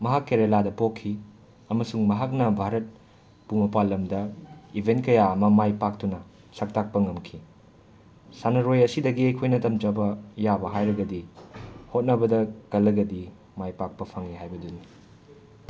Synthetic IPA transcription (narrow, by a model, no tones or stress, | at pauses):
mɐɦakːeɾeladɐpokʰːi | ɐmɐsuŋmɐɦak̬̚nɐbʱaɾɐt̚ | pumɐpalːɐmdɐibʱent̚kɐjaɐmɐmajpak̚tunɐ | sɐk̚tak̚pɐŋɐmkʰi | sanɐɾojɐsidɐɡiɐjkʰojnɐtɐmt͡ʃɐbɐjabɐɦajɾɐɡɐdihot̚nɐbɐdɐkɐlːɐɡɐdi | majpak̚pɐpʰɐŋiɦajbɐduni